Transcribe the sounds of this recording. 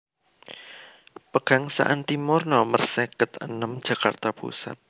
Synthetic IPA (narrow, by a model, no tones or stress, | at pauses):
pəɡ̥a̤ŋsa̰ʔant̪imʊrnɔmərsɛkət̪ə̰nəmd̥ʒ̥ä̤ka̰rt̪apṵsa̰t̪̚